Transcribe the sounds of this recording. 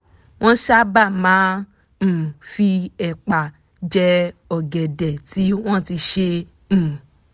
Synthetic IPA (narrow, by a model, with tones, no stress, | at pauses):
w̃ɔ̃˦ʃa˦ba˦˨mãː˨˦˨ | fi˧ɛ˨k͡pa˨ | d͡ʒɛ˦ɔ˨ɡɛ˨dɛ˨ti˨˦w̃ɔ̃˦˨ti˧ʃẽ˧˨